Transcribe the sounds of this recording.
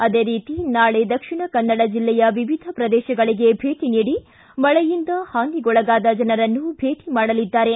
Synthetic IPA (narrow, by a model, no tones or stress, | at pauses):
ɐd̪eːɾiːt̪inaːɭe̞d̪ɐkʂiɳɐkɐnːɐɽɐd͡ʒilːɛjɐʋiʋid̪ʱɐpɾɐd̪ɛːʃɐɡɐɭiɡe̞bʱe̞ːʈiniːɽi | mɐɭɛjind̪ɐhaːŋɡiɡɔɭɐɡaːd̪ɐd͡ʒɐnɐɾɐnːubʱe̞ːʈimaːɽɐlid̪ːaːɾe̞